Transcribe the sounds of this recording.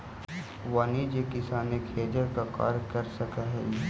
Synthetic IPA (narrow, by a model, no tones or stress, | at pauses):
ʋaːnid͡ʒekɪsaːnekʰeːd͡ʒəɾkaka̰ːɾkɐɾsɐkaɦɛ̰